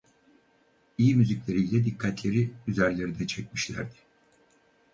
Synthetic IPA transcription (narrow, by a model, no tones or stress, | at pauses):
ijimyziclʲe̞ɾijlʲɛd̪ikʰːat̪lʲe̞ɾiyzæɾlʲe̞ɾinɛt͡ʃʰɛc̚miʃlʲæ̰ɾd̪ɪ̥